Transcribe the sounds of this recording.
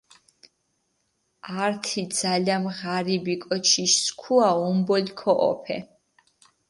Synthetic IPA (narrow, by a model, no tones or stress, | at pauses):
aɾt̪ʰid̪z̥alʲamʁaɾibikʼɔt͡ʃʰiʃskʰuaumbɔlkʰɔʔɔ̰pʰɛ̰